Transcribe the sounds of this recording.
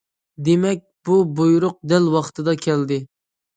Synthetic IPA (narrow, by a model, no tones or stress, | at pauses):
d̪emɛk̚ʲbubojuɾʊq̚d̪ɛlwɑχt̪ʰɨd̪ɑkʲʰɛld̪ɪ